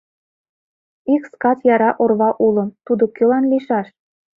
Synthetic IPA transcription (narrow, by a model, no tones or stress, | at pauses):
ikskɑt͡sjɑɾɑʔorβɑʔulɤ̆mt̪ud̪ŏkølɑnliʃɑʃ